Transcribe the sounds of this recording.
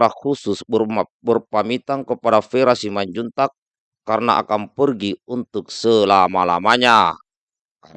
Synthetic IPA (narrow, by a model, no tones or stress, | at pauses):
ɾahususbərpamit̪aŋkəpadafeɾasimaɲd͡ʒunt̪akː | arna̰ʔa̰kampərɡiunt̪uk̚səlamala̰maɲa